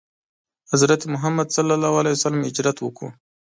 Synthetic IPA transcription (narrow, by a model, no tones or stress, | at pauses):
hazɾat̪emʊɦamːad̪salːalawalajsalamɪd͡ʒɾat̪wəku